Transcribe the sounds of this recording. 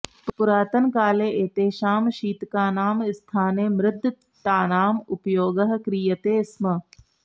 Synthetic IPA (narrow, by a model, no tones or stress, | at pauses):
ppʊɾaːt̪ənkaːleːeːt̪eːʃaːmʃiːt̪kaːnaːmɪst̪ʰaːneːmɾɪd̪ʱː | t̪aːnaːmʊpjoːɡəɦkɾijət̪eːsmə